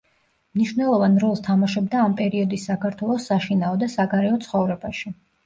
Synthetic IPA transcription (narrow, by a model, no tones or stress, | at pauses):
mniʃvnɛlˠɔvanɾɔlˠst̪ʰamaʃɛbd̪aːmpʼɛɾiɔd̪isːakaɾt̪ʰwɛlˠɔsːaʃinaɔd̪asaɡaɾɛɔt̪sʰχɔvɾɛbaʃi